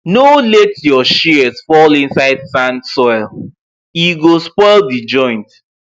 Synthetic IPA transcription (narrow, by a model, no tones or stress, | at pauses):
nolɛtjɔʃizfɔlĩnsaɪdsãndsɔɪlˠ | iɡospɔɪlˠdid͡ʒɔ̃ɪ̃nt